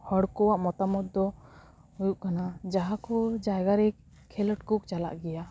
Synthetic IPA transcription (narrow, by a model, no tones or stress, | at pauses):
hɔɽkɔwaʔmɔt̪amɔt̪̚d̪ɔ | hujuʔkanad͡ʒaɦakɔd͡ʒajɡaɾɛ | kʰːɛləʈkuk̚t͡ʃala̰ʔɡɛja